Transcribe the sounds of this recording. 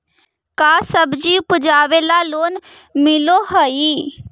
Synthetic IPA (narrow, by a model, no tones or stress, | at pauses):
kaːsəbd͡ʒiːʊpʊd͡ʒaːʋeːlaːloːnmɪloːɦəiː